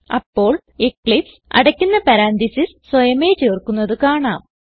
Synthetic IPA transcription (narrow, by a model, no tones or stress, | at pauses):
ɐpːo̞ːɭ | ekɭif | ɐ̰ɽɐkʲːunːɐpɐɾaːnd̪isisswɐjɐmeːt͡ɕeːrkːunːɐðɨkaːɳaːm